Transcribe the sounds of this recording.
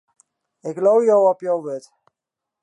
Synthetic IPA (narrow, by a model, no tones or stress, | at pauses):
ɪklowjowɔpjowʋɪt